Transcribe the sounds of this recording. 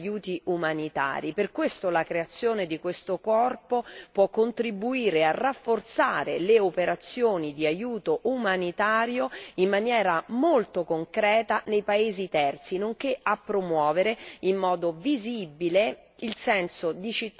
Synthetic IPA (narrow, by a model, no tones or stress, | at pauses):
juːt̪iʔumanit̪a̰ːɾiperkwest̪olakɾeat̪sːjoːned̪ikwest̪okɔrpopwɔkːont̪ɾibuiːɾearːafːort̪saːɾḛleopeɾat̪sːjoːnid̪iajuːt̪oʔumanit̪aːɾjoimːanjɛːɾamolt̪okoŋkɾɛːt̪anejpaeːzit̪ɛrt̪sinoŋkeapːɾomwɔːveɾeimːɔːd̪ovizibile | ilsɛnsod̪it͡ʃit̪ː